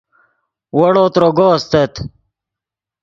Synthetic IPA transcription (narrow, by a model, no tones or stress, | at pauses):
wɐɽoːt̪ɾoɡost̪et̪